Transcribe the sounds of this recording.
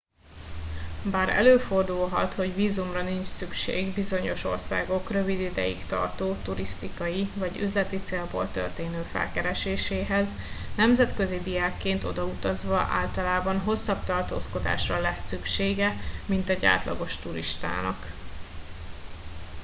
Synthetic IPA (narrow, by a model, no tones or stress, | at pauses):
baːɾɛ̰løːfo̞rd̪ulɦɒt̪ho̞ɟviːzumrɒnint͡ʃsykʃḛːɡbizo̞ɲo̞ʃo̞̰rsa̰ːɡo̞krø̞vid̪id̪ɛ̰jḭkt̪ɒ̰rt̪oːt̪uɾist̪ikɒjivɒɟy̰zlɛt̪it̪seːlbo̰ːlt̪ø̰rt̪eːnøːfɛ̰lkɛɾɛʃeːʃeːɦɛz | nɛmzɛt̪kø̞zid̪ijaːkːeːnt̪o̞̰d̪ɒut̪ɒzʋɒʔa̰ːlt̪ɒlaːbɒnɦo̞sːɒbt̪ɒrt̪o̰ːsko̞d̪a̰ːʃrɒlɛsːykʃeːɡɛmint̪ɛɟa̰ːt̪lɒ̰ɡo̞ʃt̪uɾiʃt̪a̰ːnɒ̰k